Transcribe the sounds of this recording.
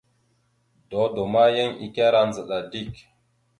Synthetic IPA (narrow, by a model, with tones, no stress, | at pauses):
dɔ˨˦do˨ma˦je˦ŋḭ˨ka˦ɾa˦nd͡zə˨ɗa˨di˦˨k